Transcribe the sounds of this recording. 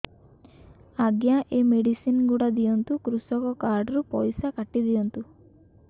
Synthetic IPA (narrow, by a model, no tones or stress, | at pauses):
aɡjaʔemeɽisinɡuɽad̪ijɔnt̪ukɾusɔkɔkaɾɖɾupɔjsakaʈid̪iɔnt̪u